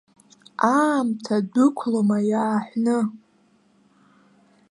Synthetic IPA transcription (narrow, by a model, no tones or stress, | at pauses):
amtʰadʊkʷʰlomajaːħʷnɨ